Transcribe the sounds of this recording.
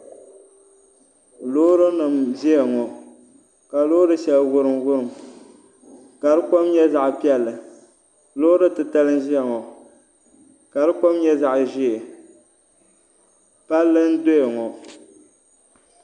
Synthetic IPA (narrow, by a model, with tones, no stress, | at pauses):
loː˦ɾɨ˦nɨ˨mzi˦ja˨ŋɔ˨ | ka˨lo˦ɾɨ˦ʃɛ˨lɣʊ˦ɾɨ˨mwʊ˦ɾɨ˨m | ka˨ɾɨ˦kɔ˦mɲɛ˦za˨ʔpi˦ɛ˦lːɨ˨ | lo˦ɾɨ˦tɨ˨ta˦lɨ˦n˦ʒi˦a˨ŋɔ˨ | ka˨ɾɨ˦kɔ˦mɲɛ˦za˦ʔʒi˦e˨ | pa˦lːɨ˦n̩˦do˦je˨ŋɔ˨